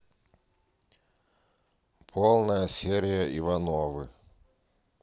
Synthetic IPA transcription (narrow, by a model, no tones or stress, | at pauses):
pʰolˠnəjəsʲeɾʲɪjəʔivanovɨ̰